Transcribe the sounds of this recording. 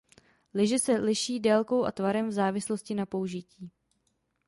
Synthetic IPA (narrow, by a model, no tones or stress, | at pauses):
lɪʒɛsɛlɪʃiːdɛːlko̞wʔa̰t̪vaɾɛmvzaːvɪsloscɪnapouʒɪciː